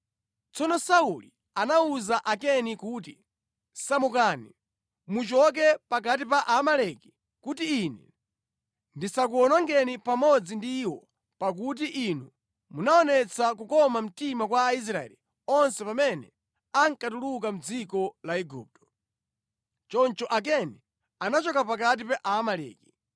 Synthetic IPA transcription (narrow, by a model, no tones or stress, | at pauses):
t͡sɔnɔsauli | anauzaʔakɛnikut̬i | samukaːni | mut͡ʃɔk̬ɛpakat̬ipaʔamalɛki̥ | kutiːnɛ | ndisak̬uɔnaŋɡɛnipamɔd͡zindiwɔ | pak̬ut̬iʔinu | munaɔnɛt͡sakukɔmam̩timakwaːis̬ɾaɛ̰li | ɔnsɛpamɛnɛ | aŋkatuluk̬am̩d͡zikɔlaɛɡṵːp̚tɔ̥ | t͡ʃɔnt͡ʃɔʔak̬ɛnɛ | anat͡ʃɔkapakat̬ipɛʔamalɛ̰ːki